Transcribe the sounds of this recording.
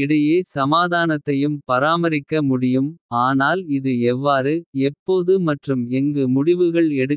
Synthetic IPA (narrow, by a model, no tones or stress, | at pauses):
ɪɽɐjeːsɐmaːðaːnɐt̪ːɐjɯmpɐɾaːmɐɾɪkːɐmʊɽɪjɯmaːnaːlɪðɯɛʋːaːɾɯɛpːoːðɯmɐʈrɯmɛŋɡɯmʊɽɪʋɯɣɐɭɛɽɯ